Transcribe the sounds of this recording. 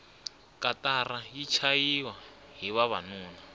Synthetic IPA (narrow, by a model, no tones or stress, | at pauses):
kʼatarajit͡ʃʰajiwa | ɦiβaβanuːna